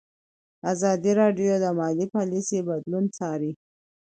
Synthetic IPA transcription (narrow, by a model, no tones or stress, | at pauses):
azɑd̪iɾɑɖjod̪əmɑlipɑlisebad̪lunt͡sɑɾi